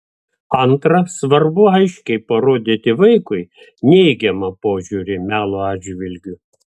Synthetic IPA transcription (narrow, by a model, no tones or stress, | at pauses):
ɐnt̪ɾɐsʋɐɾbʊɐɪʃʲkʲɛɪpɐɾoːd̪ʲɪt̪ʲɪʋɐɪkʊɪ | nʲɛɪɡʲɛmɐpoːʒʲuːɾʲɪmʲæːlˠoɑːd̪ʒʲʋʲɪlʲɡʲʊ